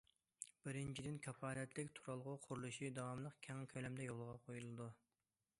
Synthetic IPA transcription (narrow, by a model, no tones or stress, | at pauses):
b̥ɪɾɪnt͡ʃʰid̪ɪnkʲʰɑpʰɑːlɛt̪ʰlɪkʲt̪ʰuɾɑlˠʁʊqʰʊɾulˠuʃid̪ɑwɑmlˠəqkʲʰɛŋkʲʰølɛmd̪ɛjolˠʁɑqʰojulˠɨd̪u